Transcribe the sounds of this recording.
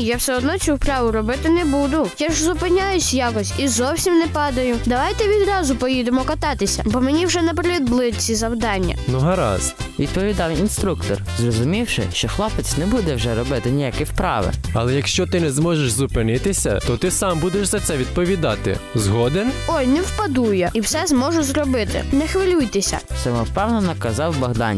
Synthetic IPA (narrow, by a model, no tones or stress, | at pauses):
jawsɛɔd̪nɔt͡ʃʲuwpɾɑʋʊɾɔbɪt̪ɪnɛbud̪ʊjaʒzʊpɪnʲajʊsʲjakɔsʲizɔwsʲimnɛpɑd̪ɐjʊd̪ɐʋɑjt̪ɛʋʲid̪ɾɑzʊpɔjid̪emɔkɐt̪ɑt̪ɪsʲɐbɔmenʲiwʒɛnɐpɾʲid̪blˠɪt͡sʲizɐwd̪ɑnʲːɐ̰nʊɦɐɾɑ̰st̪ | ʋʲid̪̚pɔʋʲid̪ɑwinst̪ɾukt̪ɔ̰rzrɔzʊmʲiwʃɪ̰ʃt͡ʃɔxlˠɔpet͡sʲnɛbud̪ɛwʒɛɾɔbɪt̪ɪnʲijakɛwpɾɑ̰ʋɪ̰ɐlˠɛjɐkʃt͡ʃɔt̪ɪnɛzmɔʒeʒzʊpɪnɪt̪ɪsʲɐ̰t̪ɔt̪ɪsɑmbud̪eʃzɐt̪sɛʋʲid̪̚pɔʋʲid̪ɑt̪ɪ̰zɦɔd̪enɔjnɛwpɐd̪ujɛiwsɛzmɔʒʊzrɔbɪt̪ɪ̰nɛxʋɪlʲujt̪esʲɐ̰sɛmɔwpɛwnɐnɐkɐzɑwbɐɦd̪ɑ̰nʲ